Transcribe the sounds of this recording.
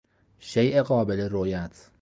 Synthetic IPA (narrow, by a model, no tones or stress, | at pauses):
ʃejʔeɢɒːbeleɾojæt̪ʰ